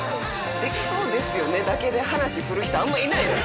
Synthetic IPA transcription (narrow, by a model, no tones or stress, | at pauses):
d̪̥e̞kʲi̥so̞ːd̪e̞sɨjo̞ne̞d̪ake̞d̪e̞hanaɕiɸɯ̟ɾɯ̟çi̥t̪oamːoinaid̪es